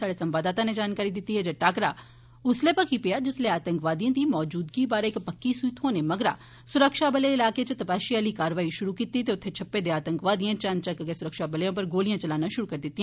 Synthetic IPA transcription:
aːɽesɐ̃mbaːd̪aːt̪aned͡ʒaːnkaːɾid̪ɪt̪iɦɛd͡ʒɐʈaːkɾa | ʊslepɐkʰipijad͡ʒɪsleaːt̪ə̃ŋkʋaːd̪ijãt̪ʰimɔːd͡ʒuːd̪kibaːɾeekpɐkːisuɪt̪ɦoːnemɐɡɾa̰ | sʊɾəkʃabɐleɪlaːket͡ʃet̪ɐpaːʃijaːlikaːɾʋaːiʃʊɾukiːt̪it̪eʊt̪ʰːet͡ʃʰɐpːed̪eaːt̪ə̃ŋkʋaːd̪ijãt͡ʃãnt͡ʃɐkɡesʊɾəkʃabɐləjõp̬ɐɾɡoːlijãt͡ʃɐlaːnaʃʊɾukɐɾd̪ɪt̪ːiɦ

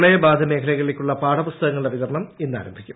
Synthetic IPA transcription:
ɭejɐbaːd̪ʱɐme̞ːkʰɐlɐjɣɐɭilekʲːuɭːɐpaːɽɐpust̪ɐɣɐŋːɐɭiɖɐʋit̪ɐɾɳɐme̞nːa̰ːɾɐmbʱikʲːum

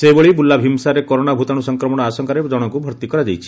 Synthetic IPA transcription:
sebeɭibulabʱimsaɾekɔɾoɽ̃abʱut̪aɽ̃usɔŋkɾɔmɔɽ̃ɔasɔŋkaɾed͡ʒɔɽ̃ɔkubʱɔɾt̪ikɔɾad͡ʒajt͡ʃʰi̥

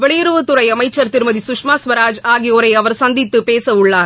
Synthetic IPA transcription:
ʋɛɭɪjɪɾɯʋɯt̪ːʊrɐɪɐmɐɪt͡ʃːɐɾt̪ɪɾmɐðisʊkʂmaːsʋɐɾaːd͡ʒaːɣɪjoːɾɐɪɐʋɐɾsɐnd̪ɪt̪ːɯpeːsɐʊɭːaːɾ

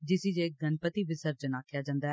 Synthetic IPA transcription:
d͡ʒɪsiːd͡ʒeːɡənpət̪iːʋɪsəɾd͡ʒənaːkʰjaːd͡ʒãːnd̪aː

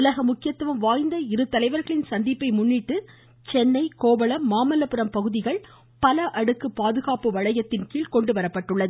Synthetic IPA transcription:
ʊlɐɣɐmʊkːɪjɐt̪ːɯʋɐmʋaːjnd̪ɐɪɾɯt̪ːɐlɐɪʋɐɾɣɐɭɪnsɐnd̪ipːɐɪmʊnːiʈːɯ | t͡ʃɛnːɐɪkoːbɐɭɐmːaːmɐlɐpɯɾɐmpɐɣɯðɪɣɐɭ | pɐlɐʔɐɽɯkːɯpaːðɯɣaːpɯʋɐɻɐjɐt̪ːɪnkiːɭkɔɳɖɯʋɐɾɐpːɐʈːɯɭːɐðɯ

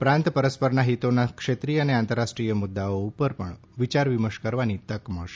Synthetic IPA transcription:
pɾãnt̪pəɾəspəɾnaɦit̪onakʃet̪ɾijəneãnt̪əɾːasʈɾijəmʊd̪ːaoupəɾpəɳ | ʋit͡ʃaɾʋiməʃkəɾʋanit̪əkməʃ

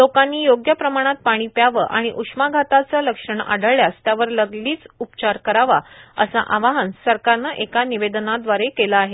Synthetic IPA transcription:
lokanːiːjoɡjəpɾəmaɽ̃at̪̚paɽ̃iːpjaʋəʔaɽ̃iʔukʂmaɡʱat̪at͡saləkʂəɳa̰ɽəɭɭjast̪jaʋəɾləɡliːt͡supt͡ɕaɾkəɾaʋaəsa̰ʔaʋaɦənsəɾkaɾnaʔekaniʋed̪nad̪ʋaɾekelaːɦe

